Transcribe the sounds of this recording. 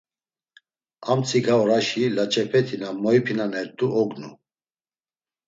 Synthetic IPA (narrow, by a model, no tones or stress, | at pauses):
amt͡sʰʼikʰaɔɾaʃilat͡ʃʼɛpʰɛt̪ʰinamɔipʰinanɛɾt̪ʼuʔɔɡnu